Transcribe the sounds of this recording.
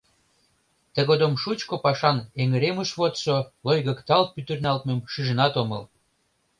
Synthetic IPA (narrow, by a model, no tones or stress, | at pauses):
t̪əɣod̪omʃut͡ɕkopɑʃɑneŋəɾeməʃβot̪ʃolojɣə̆kt̪ɑlt̪̚pyt̪ərnɑlt̪memʃiʒə̆nɑt̪omɤl